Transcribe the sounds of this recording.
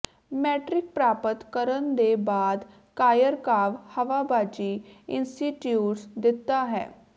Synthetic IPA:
mɛːʈɾɪk̚pɾaːpət̪kəɾənd̪eːbaːd̪ | kaːjəɾkaːʋhəʋaːbaːd͡ʒiːɪnsʈiːʈjuːʈsd̪ɪt̪ːaːɦɛ̰ː

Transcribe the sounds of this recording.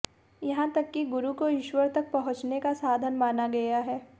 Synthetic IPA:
jɐɦãt̪ɐkːiɡʊɾukoɪʃwəɾt̪ɐk̚pɐɦʊ̃t͡ʃnekasaːd̪ʱənmaːnaɡɐjaɦɛː

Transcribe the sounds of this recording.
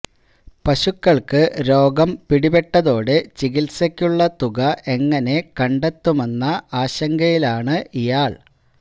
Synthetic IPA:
pɐɕukːɐɭkɨɾo̞ːɡɐmpiɽibeʈːɐðo̞ːɽɨt͡ɕiɣilsɐkʲːuɭːɐt̪uɣɐʔe̞ŋːɐne̞kɐɳɖe̞t̪ːume̞nːɐaːɕɐŋɡɐjilaːɳɨʔijaːɭ

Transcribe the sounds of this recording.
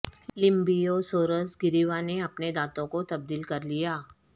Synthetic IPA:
lɪ̃mbijosoːɾəsɡɪɾiʋaneɐpned̪aːt̪õkot̪ɐb̚d̪iːlkɐɾlijaː

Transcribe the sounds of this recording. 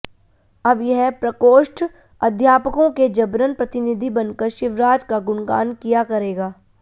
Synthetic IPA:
ɐbjɛɦpɾɐkoːʃʈʰ | ɐd̪ʱjaːpəkõked͡ʒɐbɾənpɾɐt̪ɪnɪd̪ʱibɐnkəɾʃɪʋɾaːd͡ʒkaɡʊɳɡa̰ːnkijakɐɾeːɡaː

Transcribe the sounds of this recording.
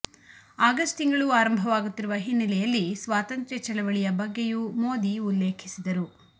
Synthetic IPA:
aːɡɐsʈ̪iŋɡɐɭuaːɾɐmbʱɐʋaːɡut̪ːiɾuʋɐɦinːɐlɛjɐlːisʋaːt̪ɐnt̪ɾjɛt͡ʃɐɭɛʋɐɭijɐbɐɡːejumoːd̪iulːe̞ːkʰisid̪ɐɾu

